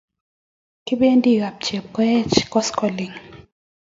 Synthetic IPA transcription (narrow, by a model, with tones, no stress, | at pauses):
kɪ˦be˦ndi˦ɣa˨p̚t͡ʃe˨p̚kɔ˦jɛ˦t͡ʃkɔ˦skɔ˨li˨ŋ